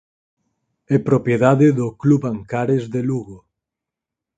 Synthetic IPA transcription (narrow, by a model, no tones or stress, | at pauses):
ɛpɾopjeðaðeðokluβaŋkaɾezðeluɣo